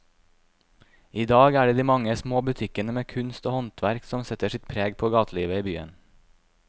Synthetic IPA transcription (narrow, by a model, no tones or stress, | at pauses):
iːd̪ɑːɡæːɖeːd̪iːmɑŋəsmoːbʉt̪ʰɪkənəmeːkʰʉnst̪oːhɔnt̪ʰʋæɾksɔmsɛt̪əʃɪt̪pʰɾeːɡpʰoːɡɑːt̪ʰliːʋəiːbyːə̰n